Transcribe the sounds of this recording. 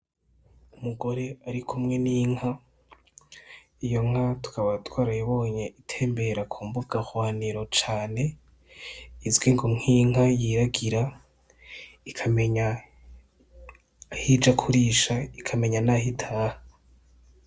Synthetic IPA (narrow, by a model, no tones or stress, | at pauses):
umuɡo̞ɾe̞aɾikʰumŋe̞niːŋha | ijo̞ŋ̥hatu̥kaβatwaːɾajaβo̞ːɲeʔitʰe̞ːmbe̞ɾakʰuːmbuɡahwaːniɾo̞t͡ʃaːne̞ | izɡwiŋɡomŋ̥iːŋɦajiɾaɡiɾa | ikʰameɲa | hid͡ʒakʰuɾiːʃaikʰame̞ɲanaɦitʰaːha